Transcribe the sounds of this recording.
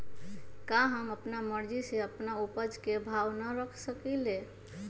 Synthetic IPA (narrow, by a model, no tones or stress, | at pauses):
kaɦəməpnaməɾd͡ʒiseəpnaupəd͡ʒkebʱawnəɾəkʰsəkile